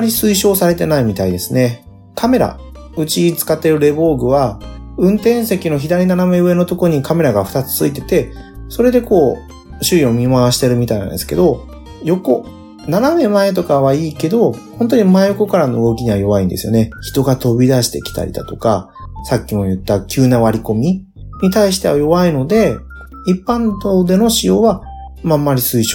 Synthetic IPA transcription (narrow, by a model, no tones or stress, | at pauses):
aɾʲisɨiɕo̞ːsaɾe̞t̪e̞naimʲit̪aid̪e̞sɨne̞ | kʰame̞ɾa̰ | ɯ̟t͡ɕit͡sɨ̥kat̪ːe̞ɾɯ̟ɾe̞bo̞ːɡɯ̟βaɯ̟̃nt̪ẽ̞ɰ̃se̞kʲino̞çid̪aɾʲinaname̞ɯ̟e̞no̞t̪o̞koɲ̟ikame̞ɾaɡaɸɯ̟t̪at͡sɨ̥t͡sɨit̪e̞t̪e̞ | so̞ɾe̞d̪e̞ko̞ː | ɕɨio̞mʲimaaɕi̥t̪e̞ɾɯ̟mʲit̪ainã̰nd̪esɨ̥ke̞̰d̪o̞ | jo̞ko̞ | naname̞mae̞t̪o̞kaβaiːke̞d̪o̞hõ̞nt̪̬o̞ɲ̟imaejoko̞kaɾano̞ɯ̟ɡo̞kʲiɲ̟iβajo̞βaĩnd̪e̞sɨjo̞̰ne̞çi̥t̪o̞ɡat̪o̞bʲid̪aɕi̥t̪e̞kʲi̥t̪a̰ɾʲḭd̪a̰t̪o̞ka | sakʲːimo̞jɯ̟t̪ːakʲɨːnaβaɾʲiko̞mʲi | ɲ̟it̪aiɕi̥t̪e̞βajo̞βaino̞d̪e̞ | ipːãnd̪od̪e̞no̞ɕijo̞ːβa | mamːaɾʲisɨiɕo